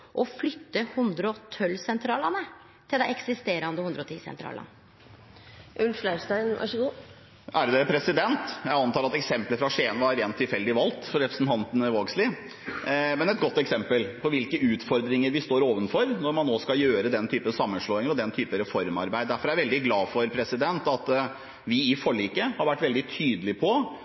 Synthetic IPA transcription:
ʔɔflʏt̪ːəhʉnd̪ɾəɔt̪ʰœlːsɛnt̪ʰɾɑːlɑnə | t̪ʰɪld̪ɛɛksɪst̪eːɾɑnd̪əhʊnd̪ɾɔt̪ʰḭːsɛ̰nt̪ɾɑ̰ːlɑ̰n | ʔʉlflæɪʂt̪æɪnʋæ̰ʂəɡuː | æɖd̪ɛpʰɾɛsɪd̪ɛnt̪jæɪɑnt̪ɑːɾɑt̪ɛksɛmpləfɾɑʂeːnʋɑɾeːnt̪ʰːɪlfɛld̪ɪʋɑlt̪fɔɾɛpɾəsn̩t̪ɑnt̪ənəʋoːɡslɪ | mɛnɛt̪̚ɡɔt̪ːɛksɛmpəlpʰɔʋɪlkəʉːt̪fɔɾd̪ɾɪŋəɾʋɪst̪oːɾoːʋənfɔɾnɔɾmɑnːoːskɑjøːɾəd̪ɛnt̪ʰyːpəsɑmːənʂɭoːɪŋəɾɔd̪ɛnt̪ʰyːpəɾɛfɔɾmɑ̰ɾbæɪd̪d̪æfɔɾjæɾʋɛld̪ɪɡlɑːfɔɾpʰɾɛsɪd̪ɛnt̪ɑt̪ | ʋɪɪfɔɭiːkəhɑɾʋæʈːʋɛld̪ɪt̪ʰyːd̪əlɪpʰɔ

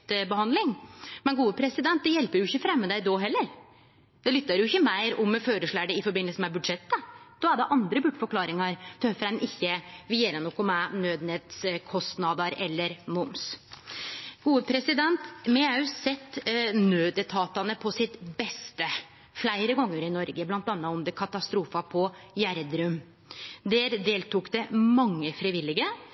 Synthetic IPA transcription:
t̪bəhɑnd̪lɪŋmɛnɡuːəpʰɾɛsɪd̪ɛnt̪̚d̪ɛjɛlpəɾjʊɪçːəfɾɛmːəd̪æɪd̪oɦɛlːəɾ | d̪̥ɛlʏt̪ːɑɾjʊɪçːəmæɪɾɔmføːɾəʂɭæːɖɛɪfɔɾbɪnːəlsəmɛbʉd̪ʂɛt̪ːəd̪̥ɔæɖɛʔɑnd̪ɾəbʉʈːfɔɾkʰlɑːɾɪŋɑɾt̪ʰœfɾæɪnʔɪçːəʋɪeːɾənɔkːɔmænøːd̪nɛt̪skʰɔst̪nɑːd̪ɑɾɛlːəɾmʊms | ɡ̥uːəpʰɾɛsɪd̪ɛnt̪mɛæʉsɛt̪ːnøːd̪ət̪ʰɑːt̪ɑnəpʰɔsɪt̪bɛst̪ə | flæɪɾəɡɔŋːəɾɪnɔɾɡəblɑnt̪ɑnːɑɔmd̪ɛkʰɑt̪ɑst̪ɾuːfɑpʰɔjæɾd̪ɾʉm | d̪ɛɾd̪eːlt̪ukd̪ɛmɑŋːəfɾɪʋɪlːɪɡə

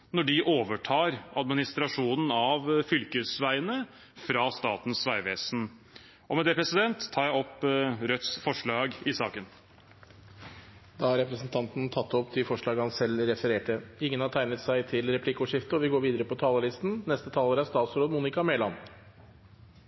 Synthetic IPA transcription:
nɔɖɪʔoːʋəʈʰɑːɾɑd̪mɪnɪst̪ɾɑʂuːnən̩ɑʋfʏlkəsʋæɪənə | fɾɑst̪ɑːt̪n̩sʋæɪʋeːsn̩ | ʔɔmɛd̪ɛpʰɾɛsɪd̪ɛnt̪ʰːɑːɾjæɪɔpːɾœt̪sfɔʂɭɑːɡɪsɑːkən | d̪ɑːhɑɾɛpɾəsn̩t̪ʰɑnt̪n̩t̪ʰɑt̪ːɔpt̪ɪfɔʂɭɑːɡəhɑnsɛlɾɛfəɾeːʈəɪŋːənhɑʈʰæɪnət̪sæɪt̪ʰɪlɾɛplɪkːʊʂɪft̪əɔʋɪɡoːɾʋiːd̪əɾəpɔt̪ʰɑːləlɪst̪n̩nɛst̪ət̪ʰɑːləɾæst̪ɑːt̪sɾoːd̪muːnɪkɑmeːlɑ̰n

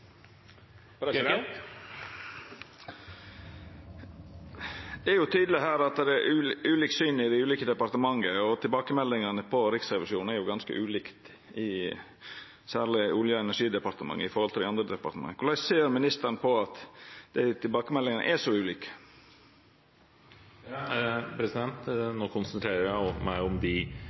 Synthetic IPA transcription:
ɾ | d̪ɛæɾjʊt̪ʰyːd̪əlɪɦæːɾɑt̪̚d̪ɛɾɛʔʉʉːliːksyːnɪd̪ɛɪʉːliːkəd̪ɛpɑɾt̪əmɑŋːəɔt̪ʰɪlbɑːkəmɛlːɪŋɑnəpʰɔɾɪksɾɛʋɪʂuːn̩æɾjʊɡɑnskə̰ʔʉːliːkt̪ | ɪ | sæːɭɪʊljəɛnæʂiːd̪ɛpɑɾt̪əmɑ̰ŋːəɪfɔɾhɔlt̪ʰɪlɑnd̪ɾəd̪ɛpɑɾt̪əmɑ̰ŋːəkʰʊlæɪseːɾmɪnɪst̪ənəpʰɔɑt̪d̪̥æɪt̪ʰɪlbɑːkəmɛlːɪŋənə̰ʔɛʂɔʉːliːkə̥ | pʰɾɛsɪd̪ɛnt̪noːkʰʊnsənt̪ʰɾeːɾəɾjæɪmæɪʊmd̪ɪ

